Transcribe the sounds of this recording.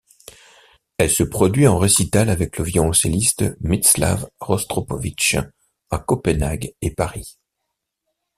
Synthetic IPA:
ɛlsəpχɔd̪ɥiɑ̃ʁesit̪alavɛkləvjɔselist̪mit̪sla̰vʁɔst̪χɔpɔvit͡ʃ | akɔpɛnaɡepaʁi

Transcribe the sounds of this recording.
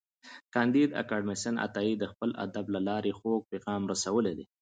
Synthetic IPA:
kɑnd̪id̪a̰kɑɖmɪsənʔa̰t̪ɑid̪əxpəla̰d̪ablalɑɾexoɡ̚peɣɑmɾasawəled̪e

